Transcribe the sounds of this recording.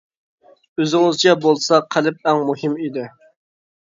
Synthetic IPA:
øzɪŋɪzt͡ʃʰɛbolˠsɑqʰælɪp̚æŋmuhɪmid̪ɪ

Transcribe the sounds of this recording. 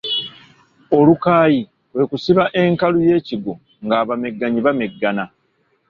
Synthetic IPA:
o̞lukaːji | lwe̞kusiβaʔe̞ŋkaluje̞ːciɡo | ŋɡaːβame̞ɡːaɲiβameɡːana

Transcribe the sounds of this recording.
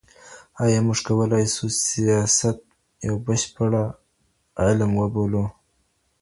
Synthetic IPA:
ɑjɑmʊʐkawəlɑjsusijɑsat̪̚ | jawbəʃpaɽa | ʕɪlmwəbolu

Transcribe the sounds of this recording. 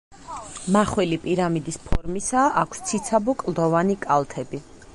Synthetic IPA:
maχwɛlipʼiɾamid̪ispʰɔɾmisaʔakʷʰst̪sʰit̪sʰabɔkʼlˠd̪ɔvanikʼalˠt̪ʰɛbi

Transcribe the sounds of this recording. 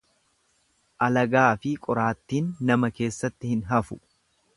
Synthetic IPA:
ʔɐlɐɡaːfɪkʼɔɾaːt̪ːiːnːɐmɐke̞ːsːɐt̪ːɪhɪnɦɐfʊ

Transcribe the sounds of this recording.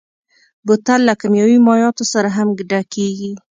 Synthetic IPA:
bʊt̪alːakamjɑwimɑjɑt̪osaɾaɦamɡɖakeɡi

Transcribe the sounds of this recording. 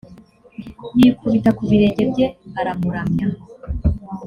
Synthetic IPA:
nikuβitakuβiɾe̞ɟe̞bɟe̞aɾamuɾamɲa

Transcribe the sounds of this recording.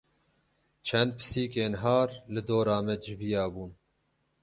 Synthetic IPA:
t͡ʃʰɛnd̪̚pʰɨ̥siːkeːnɦɑːɾlɨd̪oːɾɑːmɛd͡ʒɪvijɑːbuːn

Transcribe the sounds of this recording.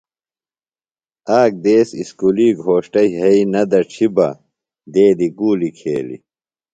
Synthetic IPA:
aːk̚d̪eːsiskuliːɡʱoːʂʈɐjɦɐinɐd̪ɐʈ͡ʂʰibɐ̰ | d̪eːd̪iɡuːlikʰḛːlḭ

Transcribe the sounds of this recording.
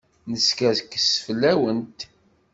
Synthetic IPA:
nəskæðkːə̥sfəlːæwənt̪

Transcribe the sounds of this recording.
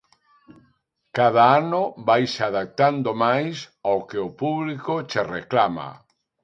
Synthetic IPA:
kaðaanobajsaðak̚t̪and̪omajsawkeopuβlikot͡ʃereklama̰

